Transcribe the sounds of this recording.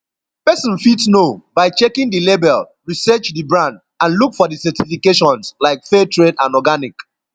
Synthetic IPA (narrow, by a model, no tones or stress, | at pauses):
pɛsɔ̃nfitsnobaɪt͡ʃekĩŋdilebɛl | ɹisɜt͡ʃdəbɹãnd | ãnlukfɔdisɛtifikeʃɔ̃nslaɪkfɛtʰɹedãnɔɡanik